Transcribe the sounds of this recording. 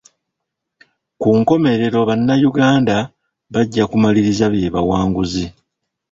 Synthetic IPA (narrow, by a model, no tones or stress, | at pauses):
kuŋko̞me̞ɾe̞ɾo̞βanːajuɡaːnda | βaɟːakumaliɾizaβje̞ːβawaːŋɡuzi